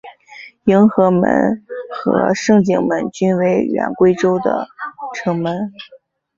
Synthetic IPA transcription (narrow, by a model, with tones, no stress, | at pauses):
i˧˥ŋxɤ˧˥mə̰˧˥nxɤ̰˧˥ʂɤ˥˧ŋt͡ɕi˥˩ŋmə˧˥nt͡ɕy˥nwe˧˥ɪɥɛ̰˧˥nkwe˥ɪʈ͡ʂo˥ʊd̪ə̰˩ʈ͡ʂʰɤ˧˥ŋmə˧˥n